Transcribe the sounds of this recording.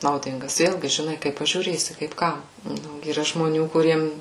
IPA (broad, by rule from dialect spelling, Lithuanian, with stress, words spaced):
nɐʊˈdʲɪŋɡɐs ˈʋʲeːlʲɡʲɪ ʒʲɪˈnɐɪ kɐɪp pɐʒʲuːˈrʲeːsʲɪ kɐɪp ˈkɐm ˈnʊ iːˈrɐ ʒmoːˈnʲuː kʊˈrʲiɛms